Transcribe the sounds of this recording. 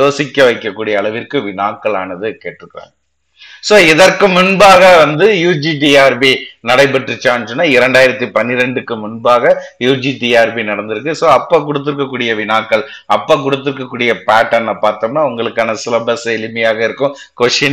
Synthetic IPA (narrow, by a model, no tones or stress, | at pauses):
oːsɪkːɐʋɐɪkːɐkːuːɽɪjɐːɭɐʋɪrkːɯʋɪnaːkːɐɭa̰ːnɐðɯkeːʈːɪɾɯkːɯɾã̰ːŋ | soːɛðɐrkɯmʊnbaːɣɐʋɐnd̪ɯjuːd͡ʒiʈiaːɾbinɐɽɐɪp̬ɛʈrɯt͡ʃːaːnsɔnːaːɪɾɐɳɖaːjɪɾɐt̪ːipɐnːɪɾɐɳɖɯkːɯmʊnbaːɣɐjuːd͡ʒiʈiaːɾbinɐɽɐnd̪ɯɾɯk̬ːɯsoːɐpːɐk̬ʊɽɯt̪̬ːɯɾɯkːɐk̬ːuːɽɪjɐʋɪnaːkːɐɭ | ɐpːɐk̬ʊɽɯt̪ːɯɾkːɐkːuːɽɪjɐpaːʈːɐnːɐpaːɾt̪oːmnaːʊŋɡɐɭɯkːaːnɐsɪlɐbɐsɐɛlɯmɐjaːɣɐɪɾɯkːɯ̃ | kɔʂɪn